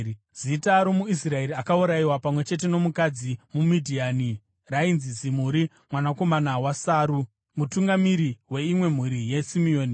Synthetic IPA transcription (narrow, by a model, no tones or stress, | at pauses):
zitaɾo̞muis̬rae̞ɾiakauɾaiwapamwe̞t͡ʃe̞t̬e̞no̞mukad͡zimumidʱiani | rainzizim̤uɾi | mwanako̞manawasaːɾu | mutuŋɡamiɾiwe̞imwe̞m̤uɾije̞simio̞ːni